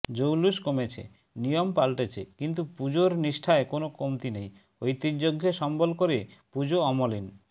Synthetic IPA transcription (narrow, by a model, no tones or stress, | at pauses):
d͡ʑowluʃkomet͡ɕʰḛ | nijompalʈet͡ɕʰekint̪upud͡ʑoɾniʃʈʰaekonokomt̪inej | ojt̪id͡ʑoɡʱːeʃɔmbolkoɾepud͡ʑoɔmolin